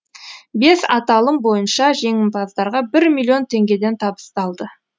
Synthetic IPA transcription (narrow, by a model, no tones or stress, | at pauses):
be̞sɑ̰t̪ɑlˠəmbo̞jənʃɑʒe̞ŋɪmpɑzd̪ɑɾʁɑbɪɾmʲilʲːˠijo̞nt̪ʰe̞ŋɡʲe̞d̪e̞nt̪ʰɑbə̥st̪ɑlˠd̪ə